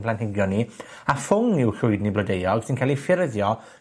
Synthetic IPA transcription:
pʰlanhɪɡjɔni | afʊŋɪwɬʊɨdniblədejɔɡ̥sɪnkʰaːlifɪɾəðjɔ

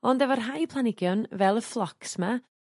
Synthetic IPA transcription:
ɔndɛvɔrɦajpʰlˠanɪɡjɔnvɛlˠəflˠɔksma

